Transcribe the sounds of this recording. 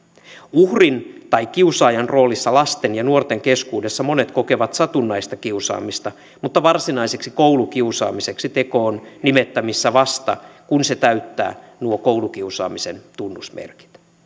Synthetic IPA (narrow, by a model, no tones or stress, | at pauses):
uhrint̪ɑjk̟ːiusɑːjɑnro̞ːlisːɑlɑst̪e̞njɑnuo̞rt̪e̞ŋke̞skuːde̞sːɑmo̞ne̞t̪ko̞ke̞ʋɑt̪sɑt̪unːɑjst̪ɑkiusɑ̰ːmist̪ɑ | mut̪ːɑʋɑrsinɑjseksikowluk̟iusɑ̰ːmise̞ksit̪e̞ko̞ːnnime̞t̪ːæmisːæʋɑst̪ɑ̰kunse̞t̪æɥt̪ːæ̰ːnuoko̞wlukiusɑ̰ːmise̞nt̪unːusmḛrki̥t̪